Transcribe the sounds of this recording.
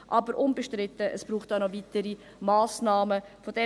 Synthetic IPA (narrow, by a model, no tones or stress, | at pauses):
ʔɑbəɾʔʊnbəʃtɾɪtəʔə̰sb̥ɾuːχt̚anɔvitəɾi | maːsnɑːməfod̥ɛ